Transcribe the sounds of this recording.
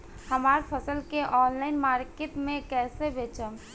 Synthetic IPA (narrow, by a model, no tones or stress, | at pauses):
həmaːɾpʰəsəlkeʔɔːnlaɪnmaːɾket̪mẽkɛːsebet͡ʃəm